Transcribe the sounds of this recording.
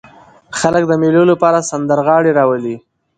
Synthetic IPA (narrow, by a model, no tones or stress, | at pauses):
xalək̚d̪əmelolapɑɾasand̪əɾɣɑɽeɾɑwəli